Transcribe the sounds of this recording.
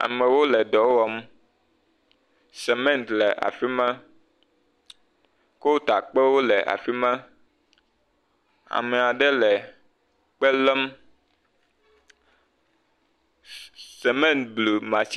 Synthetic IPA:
a̰˨mɛ̃˨wo˦lɛ˨d̪ɔ˨˦wɔ˦m | sɛ˨mɛ̃˦˨nt̪lɛ˨ʔa̰˨fi˦mã˦ | ko˦t̪a˨k͡pe˦wo˦lɛ˨ʔa̰˨fi˦mã˦ | a̰˨mɛ˨a˨ɖɛ˦lɛ˨ | k͡pɛ˦lɛ˦m | se˨mɛ̃˦˨nt̪̚blu˨mã˨t͡ɕ

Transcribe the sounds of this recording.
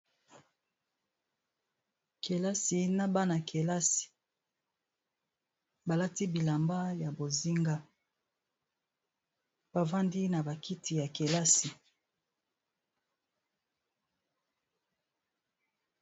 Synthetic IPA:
kʰe˨la˦si˨na˦ba˦na˨kʰe˨la˦si̥˨ | ba˨la˦ti˦bi˨la˨mba˦ja˨bo˨zi˦ŋɡa˦ | b̥a˨va˦ndi˦na˨ba˨kʰi˦ti˨ja˨ke˨la˦si˨

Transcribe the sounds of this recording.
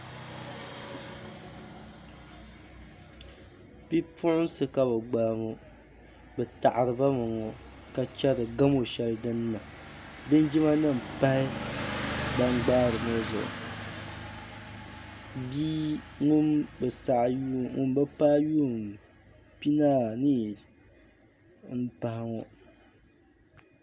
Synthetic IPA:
pi˦pʰʊ˦ʔʊ˦sɨ˦ka˨bɛ˨ɡ͡baː˨mo˨ | bɛ˨ta˨ʔa˨ɾɨ˨ba˦mɨ˨ŋɔ˨ | ka˨t͡ʃɛ˦ɾɨ˨ɡa˦mo˨ʃɛ˦lɨ˦dɨ˦nː˦a˨dɨ˦nd͡ʒi˦ma˦nɨ˦˨m̩˨pa˦hɪ˦ | ba˦ŋɡ͡baː˦ɾɨ˨mo˦zʊ̰˨ʔʊ̰˨ | biː˦ŋʊ˦mbɛ˨sa˨ʔjŋʊ̰˦m˦bɨ˦pa˦ju˦˨m | pi˦naː˦˨ni˦˨ | m̩˦pa˨hɪ˦ŋɔ˨

